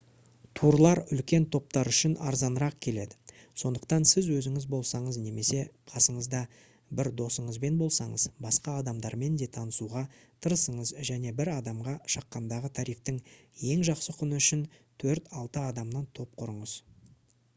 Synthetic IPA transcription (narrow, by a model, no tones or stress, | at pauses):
t̪ʰuɾlˠɑɾʏlkʲe̞nt̪ʰo̞p̚t̪ɑɾʏʃɪnɑ̰ɾzɑnəɾɑq̚kʲʰe̞le̞d̪ɪ | so̞nd̪əq̚t̪ɑnsɪzwɵzɪŋɪzbo̞lˠsɑɴəzne̞me̞se̞qʰɑsəɴəzd̪ɑ | bɪɾd̪o̞səɴəzbe̞nbo̞lˠsɑɴəz̥bɑsqɑːd̪ɑmd̪ɑɾme̞nd̪e̞t̪ʰɑnəsuʁɑt̪ʰəɾəsəɴəzʒæne̞bɪɾɑd̪ɑmʁɑʃɑqːɑnd̪ɑʁət̪ʰɑɾijft̪əŋ | je̞ŋʒɑqsəqʰʊnəʏʃɪnt̪ʰɵɾt̪ɑlˠt̪əɑd̪ɑmnɑnt̪ʰo̞p̚qʰʊɾəɴəz̥